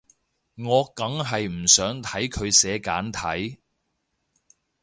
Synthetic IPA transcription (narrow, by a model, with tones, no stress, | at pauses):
ŋɔː˨˧kɐ˨˥ŋɦɐ˨jm̩˨˩sœː˨˥ŋt̪ʰɐ˨˥jkʰɵ˨˧ɥsɛː˨˧kaː˨˥nt̪ʰɐ˨˥j